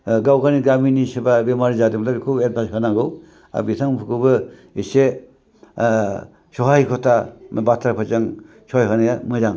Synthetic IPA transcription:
ɡawɡaniɡaminisebabemaɾizadɯmlakʰubet̚bashanaɡɯw | a̰bitʰaŋpʰukʰɯbɯ | ise | sɔɦajkʰɔtʰabatʰɾapʰɯt͡ʃaŋ | sɔɦjɦanajamɯɾaŋ

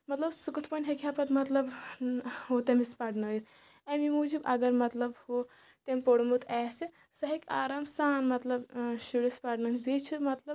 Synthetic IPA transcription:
mɐt̪lɐbsukut̪ʰpɐnʲɦekʲʰapɐt̪mɐt̪lɐb | ɦot̪emispaɖnɐit̪ | emimuːd͡ʒibɐɡɐɾmɐt̪lɐbho | t̪empoɽmut̪ʰɛːse | sɐɦikʲaːɾaːmsaːnmɐt̪lɐbʃuɽispaɖnɐnid̪et͡ʃʰiɾmɐt̪lɐb

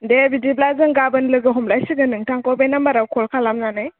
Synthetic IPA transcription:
ndebidiblazɯŋɡabənlɯɡɯɦumlajsiɡənɯŋtʰaŋkobejnambaɾawkʰolkʰalamnanaj

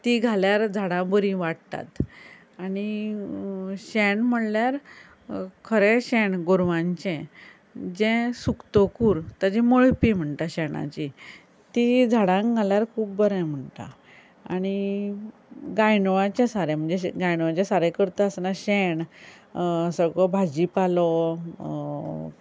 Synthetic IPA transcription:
t̪iɡʱaljaɾd͡zʱaɽãbəɾĩʋaɽt̪a̰t̪ | aɽi | ɕɛɳm̤əɽljaɾ | kʰəɾeɕɛɳɡoɾʋãɲt͡ɕɛ̃ | d͡ʑɛ̃sukt̪okuːɾt̪ad͡ʑɛ̃məɭpim̤əɳt̪aɕɛɳã̰t͡ɕi | t̪id͡zʱaɽãŋɡaljaɾkʰuːp̚bəɾãm̤əɳt̪a̰ | aɽ̃i | ɡajnʋãt͡ɕẽsaɾɛm̤əɳd͡zeɡajnʋat͡ɕasaɾɛkəɾt̪əəsnaɕɛɳ | səɡɭɔbʱad͡ʑipalɔ

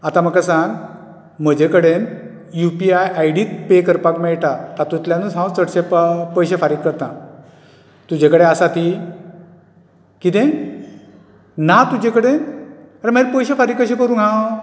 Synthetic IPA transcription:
at̪ãməɡkəsãŋɡ | m̤əd͡ʑekəɽen | jupiajajɽiːt̪̚pekəɾpakmɛɭʈat̪at̪ut̪ljãnusãwt͡səʈɕẽppəjɕefaɾiːkːəɾt̪ã̰ | t̪ud͡ʑekəɽeasat̪i | kit̪ẽ | nat̪ud͡ʑẽkəɽenaɾeməɾpəjɕefaɾiːkəɕĩpəɾũːnɦã

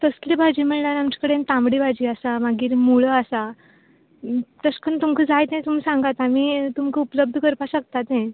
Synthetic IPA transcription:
t̪əslebʱad͡ʑiːm̤əɳljanamt͡ɕḁkəɽent̪ãmbɽibʱad͡ʑiːasamaɡiːɾmuɭəasa | t̪əskəɳt̪umkʰəd͡zajt̪ɛ̃t̪um̤iːsãŋɡat̪amiːt̪umkəupləb̚d̪ʱəkəɾpaɕək̚t̪at̪ɛ̃

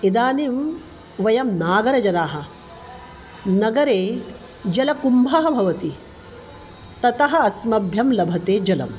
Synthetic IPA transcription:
id̪aːnim | ʋɐjɐmnaːɡɐɾɐd͡ʒɐnaːɦɐ̆ | nɐɡɐɾeː | d͡ʒɐlɐkumbʱɐɦɐ̆bʱɐʋɐt̪i | t̪ɐt̪ɐɦɐ̆ɐsmɐbʱjɐmlɐbʱɐt̪eːd͡ʒɐlɐ̰m

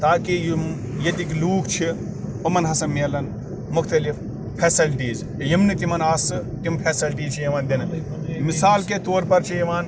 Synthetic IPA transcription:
t̪aːkijm | jɐt̪ikluːkʰt͡ʃʰi | ɐmɐnɦɐsɐmelɐn | mʊxt̪ɐlif | pʰeːsɐlʈiːz | jimnɨt̪imɐnaːsɨ | t̪impʰeːsɐlʈiːt͡ʃʰijɐʋaːnd̪in | misaːlket̪oːɾpɐɾt͡ʃʰijɐʋaːn

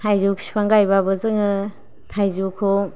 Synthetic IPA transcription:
tʰajzupʰi̥spʰaŋɡajbabɯzɯŋɯ | tʰajzukʰoŋ

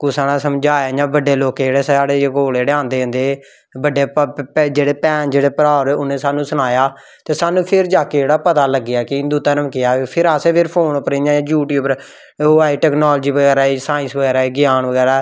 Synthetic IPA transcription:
kʊsaːnãːsəmd͡ʒaːɲãːbəɖːeːloːked͡ʒeːɽeːsaːɽeːkoːleːɽeãːnd̪eːɦə̃nd̪eː | bəɖːeːd͡ʒeːɽeːpɛ̃ːnd͡ʒeːɽeːpəɾaːɾeːʊnẽːsaːnũːsʊñaːjaː | t̪eːsaːnːũːpʰɪɾd͡ʒaːkeːd͡ʒeːɽaːpət̪aːləɡːɪjaːkɪɪnd̪uːt̪əɾəmkɪjaːpʰɪɾaːseːpʰɪɾpʰoːnpɾed͡ʒãːãːd͡ʒuːʈjuːbəɾ | oaːiːʈɛːknaːlːd͡ʒiːbəɡɛːɾaːiːsaːɪ̃nsbəɡɛːɾaːeːɡɪjaːnʋəɡɛːɾaː

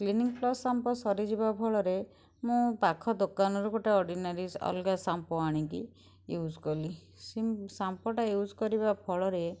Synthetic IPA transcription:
kliniŋplɔsːampɔsɔɾid͡ʒibapʰɔɭɔɾe | mũpakʰɔd̪okanɔɾuɡoʈeɔɾɖinaɾiɔ̰lɡasampɔaɽ̃iŋkḭ | jud͡ʒkɔli | sisampɔʈajud͡ʒkɔɾibapʰɔɭɔɾe

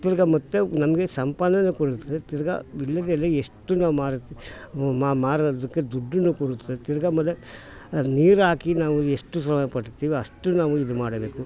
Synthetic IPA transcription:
t̪iɾɐɡɐmɐt̪ːenɐmɐɡesɐmpanːɐnːukoɽut̪ːɐd̪et̪iɾɐɡɐ̰ʋiɭːɐd̪elːieʂʈːunaːʋumaːɾɐt̪ːimamaːɽɐd̪ɐkːed̪uɖːunːukoɽut̪ːɐd̪et̪iɾɐɡɐmɐlːe | niːɾaːkinaːʋueʂʈːusɾɐmɐjɐpɐʈːt̪ːiːʋiɐʂʈːunaːʋuid̪umaːɽɐbe̞ːku

